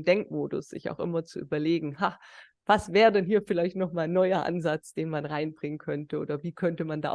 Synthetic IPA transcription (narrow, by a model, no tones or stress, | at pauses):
d̥ɛŋk̚moːdʊ̰sz̥ɪ̰ça̰ʊxʔɪ̰mɐt͡suʔyːbɐleːɡŋ̩ha | v̥asv̥ɛːʁədɛnɦiːɐfɪlaɪçtnɔχmaːlnɔʏɐʔa̰nzat͡sd̥eːnmanʁaɪnb̥ʁɪŋənkʰœntəʔo̰ːdɐviːkʰœntəmanda̰ːʔ